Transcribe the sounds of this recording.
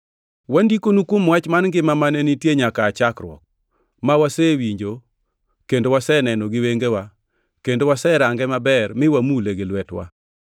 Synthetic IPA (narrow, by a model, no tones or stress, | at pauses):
wandikonukomwat͡ʃmanŋɡɪmamanenitjeɲakaːt͡ʃakɾwɔ̰k̚ | mawasewiɲd͡ʒo | kendowasɛnɛnɔɡɪweŋɡewa | kendowasɛɾaŋɡɛmabɛɾmɪwamuleɡɪlwɛtwa̰